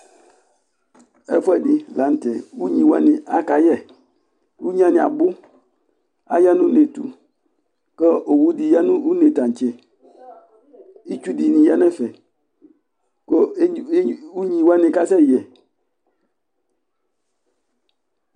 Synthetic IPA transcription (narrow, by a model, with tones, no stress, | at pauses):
ɛ̰˦fwɛ˨di˨˦la˨˦n̩˦tɛ˨u˦ɲĩ˨wa˦nĩ˨a˦ka˨jɛ˦˨ | u˦ɲ˦ã˦nĩ˨a̰˨bʊ˦ | a̰˨ja˦nũ˦ne˨tṵ˨ | kə˦o˨wu˦di˨ja˦nũ˦u˦ne˨tã˨ɲ˨t͡ʃe˨ | i˦t͡ʃu˦di˨nĩ˨ja˦nɛ̃˦fɛ˨ | ko˦u˦ɲĩ˨wa˦nĩ˨ka˦sɛ˦˨jɛ˨